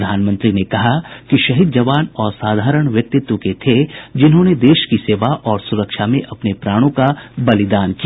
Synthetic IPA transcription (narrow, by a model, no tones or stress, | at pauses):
d̪ʱaːnmə̃nt̪ɾinekɐɦakiʃɐɦid̪̚d͡ʒɐʋaːnɔːɾsaːd̪ʱaːɾəɽ̃ʋjɐk̚t̪ɪt̪wõket̪ʰed͡ʒɪnɦõned̪eːʃkiseːʋaʔɔːɾsʊɾəkʃamẽʔɐpnepɾaːɽ̃õkabɐlɪd̪aːnki